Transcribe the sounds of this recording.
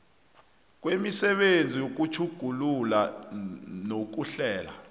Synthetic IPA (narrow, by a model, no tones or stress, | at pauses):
k̬wemisɛɓend͡zʱijok̬ut͡ʃʰuɡ̥ʱulula | nok̬uɬɛːla